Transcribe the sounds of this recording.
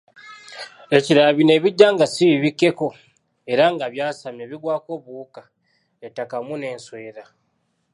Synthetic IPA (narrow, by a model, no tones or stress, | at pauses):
e̞ciɾaβine̞ːβiɟːaːŋɡasiiβikːe̞ko̞ | e̞ɾaŋɡaβjaːsame̞ːβiɡwaːko̞ːβuːka | etːakamune̞ːnswe̞ːɾa